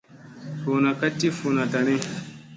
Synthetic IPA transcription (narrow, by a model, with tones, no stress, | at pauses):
fo˨na˨ka˦tːi˦fo˨na˨ta˨ni˦